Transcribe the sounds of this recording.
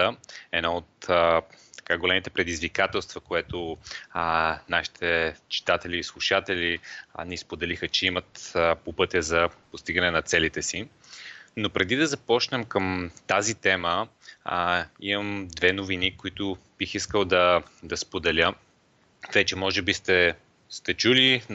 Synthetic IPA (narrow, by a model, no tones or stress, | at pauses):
əɛd̪naot̪ | t̪ɐ̥kaɡolɛmit̪ɛpɾɛd̪izvikat̪ɛlˠst̪vəkoɛt̪o | naʃi̥t̪ʰɛt͡ʃi̥t̪at̪ɛlʲiːslˠuʃat̪ɛlinispod̪ɛlixət͡ʃɛimət̪popɤt̪ʲəzɐpost̪iɡənɛnɐt̪sɛlit̪ɛsi | nopɾɛd̪id̪ɐzɐpɔt͡ʃnɛmkəmt̪azit̪ɛmə | iməmd̪vɛnovinikoit̪ʊ | b̥ixiskəlˠd̪ɐd̪ɐspod̪ɛlʲə | vɛt͡ʃɛmɔʒɛbist̪ɛ | st̪ɛt͡ʃuli